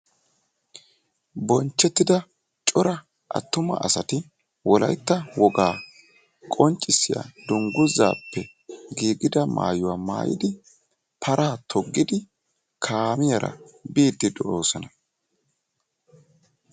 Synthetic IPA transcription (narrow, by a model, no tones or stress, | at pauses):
bɔnt͡ʃːɛt̪ːɪd̪ɐ | t͡ʃʼɔɾɐ | ʔɐ̰t̪ːʊmɐ̰ʔɐsɐt̪ɪ | wɔlɐ̰jt̪ːɐwɔɡaː | kʼɔnt͡ʃʼːɪsːɪja̰d̪ʊŋɡʊzːa̰ːpːɛ | ɡiːɡɪd̪ɐma̰ːjʊwaːma̰ːjɪ̰d̪ɪ | pʰɐɾʔaːt̪ʰɔɡːɪd̪ɪ | kʰaːmɪjɐɾʔɐ̰biːd̪ːɪd̪ɔʔoːsɔnɐ